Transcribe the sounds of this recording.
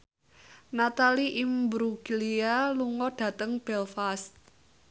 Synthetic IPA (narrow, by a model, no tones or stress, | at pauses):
nat̪aliʔimbɾuɡ̥ilialuŋɔɖ̥ä̤t̪əŋb̥ɛlfast̪̚